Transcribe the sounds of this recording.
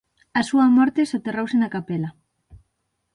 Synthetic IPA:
ɐsuɐmɔɾt̪esot̪erowsenakapelɐ

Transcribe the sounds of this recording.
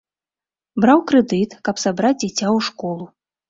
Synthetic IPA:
bɾawkɾɛd̪ɨt̪kɐpsabɾad͡zʲd͡zʲat͡sʲawʂkɔlˠu

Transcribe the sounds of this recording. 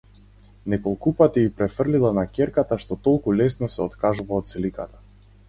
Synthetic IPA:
nɛkɔlˠkupat̪iipɾɛfərlilˠanakʲɛɾkat̪aʃt̪ɔt̪ɔlˠkulɛsnɔsɛɔt̪kaʒuvaɔt̪slikat̪ḁ

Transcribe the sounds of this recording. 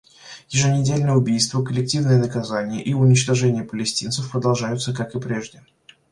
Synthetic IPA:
jɪʐɨnʲɪdʲelʲnəjəʊbʲijst̪vəkəlʲɪk̚tʲivnɨjənəkɐzanʲɪjə̰ʔiʊnʲɪt͡ɕt̪ɐʐɛnʲɪjəpəlʲɪsʲtʲint̪səfpɾəd̪ɐlˠʐajʊt̪səkakɨpɾʲe̞ʐdʲɪ

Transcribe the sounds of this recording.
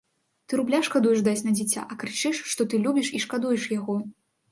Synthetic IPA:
t̪ɨɾublʲaʂkad̪ujɛʐd̪at͡sʲnɐd͡zʲit͡sʲa̰ʔɐkɾɨt͡ʂɨʂːt̪ɔt̪ɨlʲubʲiʂiʂkad̪ujɛʂjaɣɔ

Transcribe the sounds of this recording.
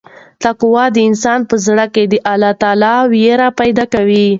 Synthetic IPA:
t̪aqwɑd̪əɪnsɑnpəzɽəked̪əʔalɑt̪ɑlɑwjeɾapajd̪ɑkawi

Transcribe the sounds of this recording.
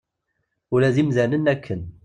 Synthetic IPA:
ʊlæðimzænənækʰːən

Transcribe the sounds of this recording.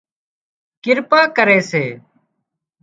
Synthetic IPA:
kɪɾpaːkəɾeːseː

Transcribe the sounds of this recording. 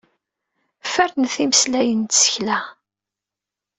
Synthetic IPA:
fæɾnθiməslæjənt̪sə̥çlæ

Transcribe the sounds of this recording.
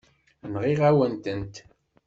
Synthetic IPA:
nʁiʁæwənt̪ənt̪

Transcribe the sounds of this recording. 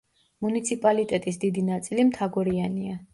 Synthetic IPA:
munit̪sʰipʼalit̪ʼɛt̪ʼis̬d̪id̪inat̪sʼilimt̪ʰaɡɔɾiania

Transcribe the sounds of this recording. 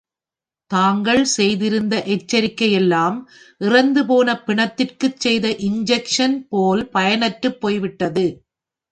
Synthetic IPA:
t̪aːŋɡɐɭsɛjðɪɾɯnd̪ɐʔɛt͡ʃːɐɾɪkːɐjɛlːaːm | ʔɪrɐnd̪ɯp̬oːnɐpːɪɳɐt̪ːɪrkɯt͡ʃsɛjðɐʔɪɲd͡ʒɛkʂɐnpoːlpɐjɐnɐʈːɯpːoːjʋɪʈːɐðɯ

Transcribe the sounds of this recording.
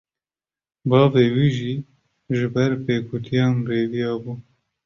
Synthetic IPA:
bɑːveːwiːʒiː | ʒɪbɛɾpeːkʰʊt̪ʰijɑːnreːvijɑːbuː

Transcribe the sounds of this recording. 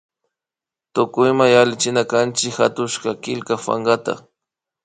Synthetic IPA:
t̪ʊkʊjmajalɪt͡ʃɪnakant͡ʃɪkhat̪ʊʃkakɪlkafa̰ŋɢat̪a̰

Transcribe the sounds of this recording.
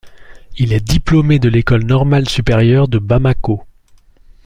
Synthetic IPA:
ilɛd̪iplomed̪əlekɔlnɔʁmalsypeʁjœʁd̪əbamako

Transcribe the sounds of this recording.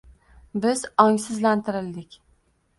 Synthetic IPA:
bɪzɒŋsɪzlant̪ʰɪɾɪld̪ɪkʲ

